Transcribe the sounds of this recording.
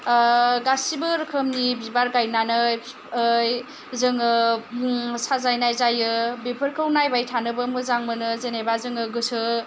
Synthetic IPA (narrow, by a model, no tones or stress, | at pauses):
ɡasibɯɾkʰɯmnibibaɾɡajnanɯj | j | zɯŋɯ | sazajnajzajɯbepʰɯɾkʰɯwnajbajtʰanɯbɯmɯzaŋmɯnɯzenebazɯŋɯɡɯsʰɯ